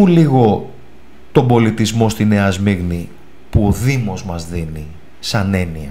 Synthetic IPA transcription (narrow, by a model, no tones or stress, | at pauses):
uliɣo̞ | t̪o̞mbo̞lit̪izmo̞st̪ineɐzmiɣni | puoðimo̞zmɐzðini | sɐne̞niɐ